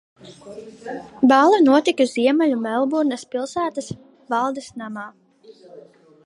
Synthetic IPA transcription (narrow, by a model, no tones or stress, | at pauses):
bɑlˠanuɔt̪ikuziɛmalʲumɛlˠbuɾnɐspilˠsæːt̪ɐs | vɑlˠd̪esnamaː